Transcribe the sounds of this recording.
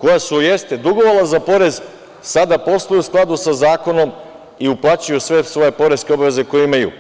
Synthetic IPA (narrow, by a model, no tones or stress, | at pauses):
ko̞jasujest̪ed̪uɡo̞ʋolˠazapo̞ɾe̞z | sad̪apo̞st̪ojusklˠad̪usazaːko̞no̞m | iuplˠat͡ɕujusʋe̞sʋo̞je̞po̞ɾe̞skʲe̞o̞baʋe̞ze̞ko̞jeimajṵ